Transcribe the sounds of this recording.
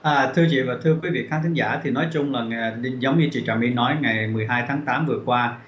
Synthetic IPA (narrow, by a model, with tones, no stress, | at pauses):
ʔəː˨˩t̪ʰɨ˧ət͡ɕḭ˧˨vaː˨˩t̪ʰɨ˧əkwi˨˦vḭ˧˨kaː˨˦nt̪i˨˦ŋzaː˧˩t̪ʰi˨˩nɔ˨˦jt͡ɕʊ˧ŋ͡mlaː˨˩˨ɗi˧zə˨˦wŋ͡mɲɨ˧t͡ɕḭ˧˨t͡ɕa˨˩mi˧nɔ˨˦jŋa˨˩jmɨ˨˩əjɦaː˧jt̪ʰaː˨˦ŋt̪aː˨˦mvɨ˨˩əkwaː˧